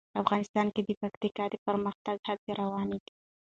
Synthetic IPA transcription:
afɣɑnɪst̪ɑnked̪əpakt̪ikɑd̪epəɾməxt̪aɡhaɡ̚d̪eɾawɑneɡi̥

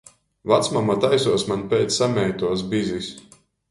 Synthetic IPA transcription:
vat̪smamat̪ajsuɔsmanʲpʲɛːt̪ssamʲɛjt̪uɔsbizʲisʲ

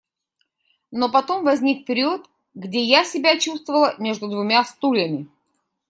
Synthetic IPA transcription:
nopɐt̪o̞mvɐzʲnʲik̚pʲɪɾʲit̪ | ɡdʲejasʲɪbʲat͡ɕust̪vəvəlˠəmʲe̞ʐd̪ʊd̪vʊmʲast̪ulʲəmʲɪ

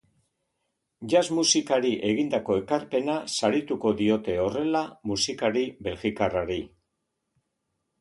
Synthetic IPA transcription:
ʝazmusikaɾiʔe̞ɣind̪ako̞e̞kaɾpe̞nasaɾit̪uko̞ðio̞t̪e̞o̞re̞lamusikaɾiβe̞lɣikaraɾi

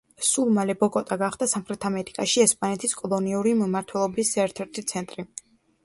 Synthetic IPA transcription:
sulˠmalɛbɔkʼɔt̪ʼaɡaχd̪asamχɾɛt̪ʰamɛɾikʼaʃiɛspʼanɛt̪ʰiskʼɔlˠɔniuɾimmaɾt̪ʰwɛlˠɔbisɛɾt̪ʰɛɾt̪ʰit̪sʰɛnt̪ʼɾi

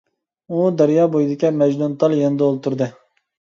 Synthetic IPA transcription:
ud̪ɛɾjɑːbojid̪ɪkʲɛmɛd͡ʒnunt̪ʰɑlˠjɛnɪd̪ɛolˠt̪uɾd̪ɨ

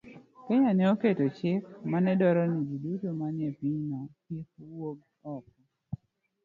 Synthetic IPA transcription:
keɲanɛɔketot͡ʃɪkmanɛdɔɾɔnid͡ʒudutomanjɛpiɲnɔtjik̚woɡ̚ | ɔk̚

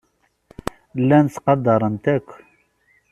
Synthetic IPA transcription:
lænsqɑd̪ɑɾˤənt̪æk

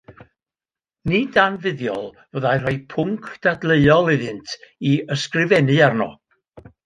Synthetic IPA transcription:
nidanvɨðjɔ̰lˠ | vəðajr̥ɔjpʰʊŋkʰd̥adleɨɔlˠɪðɨntʰiəskrɪvɛnɨarnɔ̰

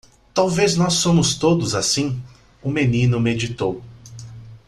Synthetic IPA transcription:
t̪awveznɔsːõmʊst̪od̪ʊzasĩ | ʊmenĩnʊmed͡ʒit̪ow

